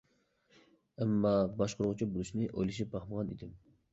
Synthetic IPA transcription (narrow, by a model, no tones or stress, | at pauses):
ɛmːɑbɑʃqʊɾʁʊt͡ʃʰibolˠuʃinɪʔo̰jlˠiʃ̬ibɑχməʁɑnḭd̪ɪm